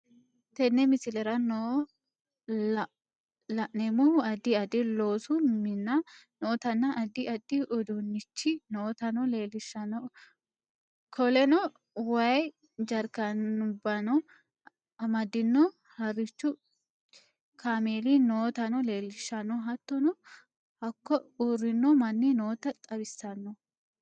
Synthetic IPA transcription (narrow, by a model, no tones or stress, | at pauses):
t̪ɛnːɛmɪsɪlɛɾɐnɔ | lɐʔnɛmʊhʊɐd̪ɪɐd̪ɪloːsʊmɪnːɐnoːt̪ɐnːɐʔɐd̪ɪɐd̪ːɪʔɔd̪unːɪt͡ʃːɪnoːt̪ɐnɔleːlɪʃɐnɔ | kʰɔlɛnɔ | wɐj | d͡ʒɐɾkɐnʊbːɐnɔ | ɐmɐd̪ːɪnːɔ | hɐrɪt͡ʃːʊ | kʰaːmeːlinoːt̪ɐnɔle̞ːlːɪʃːɐnːɔɦɐt̪ːɔnɔ | hɐkːɔuːrːɪnːɔmɐnːinoːt̪ɐt̪ʼɐbɪsːɐnːɔ